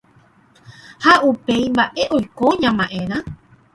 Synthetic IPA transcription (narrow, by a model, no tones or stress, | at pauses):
haʔupe̞jmbaʔe̞ʔojkoɲãmãʔẽɾ̃ã